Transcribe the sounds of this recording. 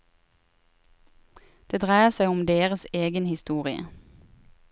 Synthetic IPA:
d̪̥eːd̪ʁæɪəsæɪʊmd̪eːʁəseːɡənhɪst̪uːʁɪə̰

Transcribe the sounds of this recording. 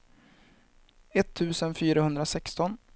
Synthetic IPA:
ɛt̪ʰːʉ̟ːsənfyːɾahɵnd̪ɾasɛkst̪ɔn

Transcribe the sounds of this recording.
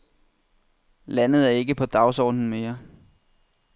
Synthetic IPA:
lænð̞̩ˠæɐe̝ɡ̥əpʰɒ̽d̥ɑ̈ʊsɒ̰ːd̥n̩me̝ːɐ

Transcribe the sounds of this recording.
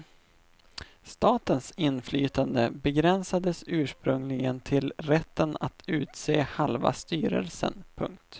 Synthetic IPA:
st̪ɑːt̪ənsɪnːflyːt̪and̪əbɛɡɾɛnsad̪əsʉ̟ːʂpɾɵŋlɪɡənt̪ʰɪlɾɛt̪ːənat̪ʰʉ̟ːt̪seːhalva̰st̪yːɾə̰lsə̰npʰɵ̰ŋk̚t̪

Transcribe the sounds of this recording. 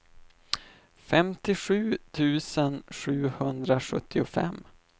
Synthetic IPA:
fɛmt̪ɪɧʉ̟ːt̪ʰʉ̟ːsənɧʉ̟ːhɵnd̪ɾaɧɵt̪ʰːɪʊfɛ̰mː

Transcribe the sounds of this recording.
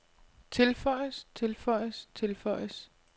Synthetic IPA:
t͡sʰe̝lfɒ̽ɪ̰əst͡sʰe̝lfɒɪ̰əst͡sʰe̝lfɒɪ̰s

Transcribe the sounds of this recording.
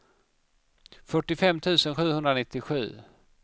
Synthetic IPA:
fœʈːɪfɛmːt̪ʰʉ̟ːsənɧʉ̟ːhɵnd̪ɾanɪt̪ːɪɧʉ̟ː

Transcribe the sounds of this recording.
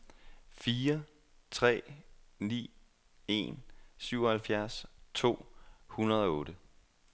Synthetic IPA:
fiːɐ | t͡sʰʁɛ̰ːnḭː | e̝̰nsyʊɒ̽hælfjæɐst͡sʰo̝̰ːhunɐðˠɒ̽ɔ̽ːɾ̥ə

